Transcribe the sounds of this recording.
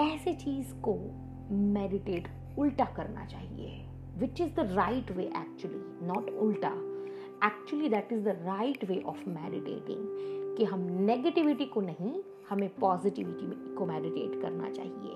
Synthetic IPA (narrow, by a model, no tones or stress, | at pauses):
ɛːset͡ʃiːzko | mɛːɖɪʈeːʈ | ʊlʈakɐɾna̰t͡ʃaːɦḭḛ | ʋɪt͡ʃɪzd̪əɾaɪʈʋeːʔɛ̰ːk̚t͡ʃʊəli | nɔːʈʊlʈa̰ | ɛːk̚t͡ʃuəlid̪æʈɪzd̪əɾaɪʈʋeːʔɔːfmɛɖɪʈḛːʈɪ̰̃ŋkiɦɐmneɡəʈɪʋɪʈikonɐɦĩ | hɐmẽpɔːzɪʈɪʋɪʈikomɛːɖɪʈḛːʈkɐ̰ɾna̰t͡ʃa̰ːɦiḛː